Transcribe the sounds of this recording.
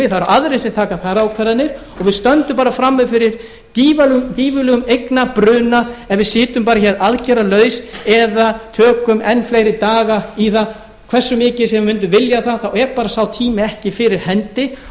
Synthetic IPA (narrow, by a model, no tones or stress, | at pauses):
ɪθaɛɾʔaðɾesɛt̪ʰaːkaθaɾːaawkʰɛɾanːɪɾ̥ | ɔɣvɪðst̪œnt̪ʏmpaːɾafɾamːʏfɪɾɪɾ̥ | ciːvalciːvʏlœʏmejknapɾʏːnaɛnvɪðsɪːt̪ʏmpaːɾaçɛɾaðcɛɾalœːɥsɛðat̪ʰœːkʏmʔɛnfleːjɾɪt̪aːɣaiθa | kʰv̥ɛr̥sːʏmɪːcɪ̥sɛmvɪmʏnt̪̬ʏvɪljaθaðθawɛɾpaːɾasawt̪ʰiːmɪɛhcɪfɪɾɪɾ̥hɛnt̪ɪ